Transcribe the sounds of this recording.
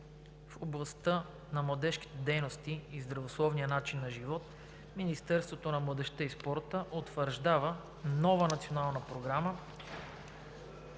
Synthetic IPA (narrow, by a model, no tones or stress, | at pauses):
foblˠɐst̪ɤ | nɐmlˠɐd̪ɛʃk̟i̥t̪ɛd̪ɛjnost̪iizd̪ɾɐvoslˠɔvnijənat͡ʃinːɐʒivɔt̪ | minist̪ɛɾst̪vot̪onɐmlˠəd̪ɛʃt̪əispɔɾt̪əʔot̪vəɾʒd̪avə | nɔvənɐt̪sionalˠnəpɾoɡɾamə